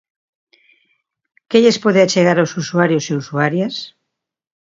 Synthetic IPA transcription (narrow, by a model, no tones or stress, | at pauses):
keʎespoðeat͡ʃeɣaɾawsusuaɾjoseusuaɾjas